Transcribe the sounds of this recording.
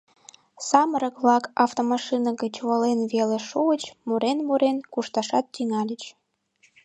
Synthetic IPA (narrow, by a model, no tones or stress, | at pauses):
sɑməɾəkβlɑkɑft̪omɑʃinɑɣət͡ɕwolenβeleʃuət͡ɕmuɾenmuɾenkuʃt̪ɑʃɑt̪̚t͡ɕinɑlʲət͡ɕ